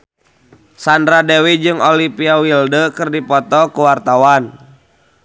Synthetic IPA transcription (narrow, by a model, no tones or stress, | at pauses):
sandɾadewid͡ʒɨŋɔlipiawildəkɨrdipɔt̪ɔkuwart̪awan